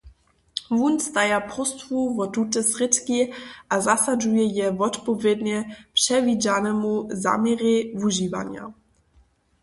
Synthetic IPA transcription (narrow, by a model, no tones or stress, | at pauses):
vunst̪ajaprɔst̪vuvɔt̪ut̪ɛsrɪt̪kiʔazasad͡ʒujɛjɛvɔtpɔvjɛd̪ɲɛpʂɛvid͡ʑanɛmuza̰ːmjɛɾɛvuʒiva̰ɲja̰